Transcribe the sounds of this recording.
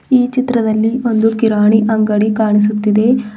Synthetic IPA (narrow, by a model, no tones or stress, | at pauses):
iːt͡ʃit̪ɾɐd̪ɐlːio̞nd̪ukiɾaːɳiʔɐŋɡɐɽikaːɳis̬ut̪ːid̪e̞